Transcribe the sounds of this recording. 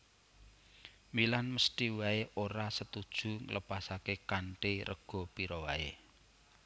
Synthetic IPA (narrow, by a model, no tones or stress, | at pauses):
milanməsʈ̪iwaeʔoɾasət̪ud̥ʒ̥ṳŋələpasakekaɳʈeɾʔə̰ɡ̥ɔ̤piɾɔwae